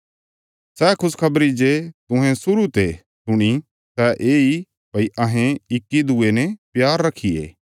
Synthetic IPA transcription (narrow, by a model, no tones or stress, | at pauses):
sɛkʰʊskʰɐbɾid͡ʒet̪ʊ̃ɦɛ̃sʊɾut̪e | sʊɽ̃i | sɛʔeːi | pɐiʔɐɦɛ̃ɪkːid̪ʊenɛpjaːɾːɐkʰiḛː